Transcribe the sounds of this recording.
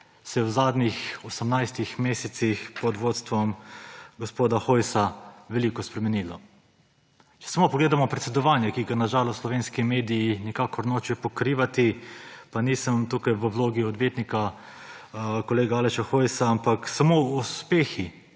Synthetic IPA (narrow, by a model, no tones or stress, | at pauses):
sɛjɛwzaːd̪nixɔsəmnajst̪ixmeːsɛt̪sixpɔd̪ʋoːt̪st̪ʋɔmɡospoːd̪axojsaʋɛliːkɔspɾɛmɛnilɔ | t͡ʃɛ̥samopɔɡleːd̪amɔpɾɛt̪sɛd̪ɔʋaːnjɛkiɡanaʒaːlɔsslɔʋeːnskimeːd̪ijinikaːkɔɾnoːt͡ʃjɛpɔkɾiːʋat̪ipanisəmt̪ukajʋəwloːɡiɔd̪ʋjeːt̪nika | kɔleːɡaalɛʃaxojsaampaksamouspeːxi